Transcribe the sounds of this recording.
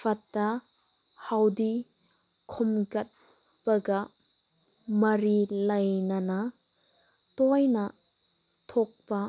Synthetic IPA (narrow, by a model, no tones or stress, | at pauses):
fɐt̪ːɐ | hɐwdi | kʰɔmɡɐt̪̚ | pɐɡɐ | mɐɾilɐjnɐnɐ | t̪ɔjnɐ | t̪ʰɔk̚pɐ